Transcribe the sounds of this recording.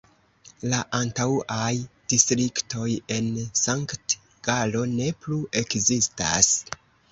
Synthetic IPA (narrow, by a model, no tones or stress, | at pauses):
laʔantawajd̥istɾikto̞je̞nsaŋkt | ɡ̥alo̞ne̞pluʔe̞kzista̰s